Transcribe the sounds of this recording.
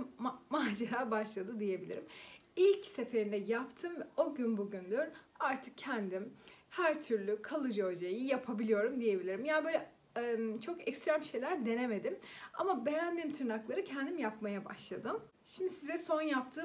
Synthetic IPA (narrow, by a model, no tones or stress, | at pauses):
maːd͡ʒaɾaːbaʃlˠad̪ɯd̪ije̞bilʲḭɾimilʲcse̞fe̞ɾind̪ɛjapt̪ʰɯmvɛo̞ɟynbuɟynd̪yɾaɾt̪ʰɯk̚cʰɛnd̪imhæɾt̪ʰyɾlʲykʰalˠɯd͡ʒod͡ʒajijapʰabilʲijo̞ɾumd̪ije̞bilʲiɾimjanbøːlʲɛ | mt͡ʃʰo̞kɛcst̪ɾæmʃe̞jlʲæɾd̪e̞ne̞me̞d̪ima̰mabe̞jænd̪iːmt̪ʰɯɾnaklˠaɾɯcʰɛnd̪imjapmajaba̰ʃlˠad̪ɯm | ʃimd̪isizɛso̞njap̚t̪ʰɯː